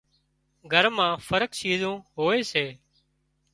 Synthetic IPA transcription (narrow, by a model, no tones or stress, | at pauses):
ɡʱəɾmãːfəɾəkt͡ʃiːzõːɦoːeːseː